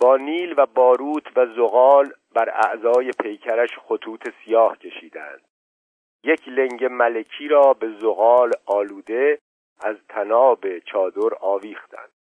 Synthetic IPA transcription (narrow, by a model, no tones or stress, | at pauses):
b̥ɒːniːlvæbɒːɾuːt̪ʰvæzoɣɒːlbæɾæ̰ʔzɒːje̞pʰe̞jcʰæɾæʃχot̪ʰuːt̪ʰe̞sijɒːhcʰe̞ʃiːd̪eæ̰nd̪̥ | je̞cʰle̞ŋɟemælecʰiːɾɒːbe̞zoɣɒːlɒːluːd̪e̞ | æzt̪ʰænɒːbe̞t͡ʃʰɒːd̪o̞ɾɒːviːxt̪æ̰nd̪̥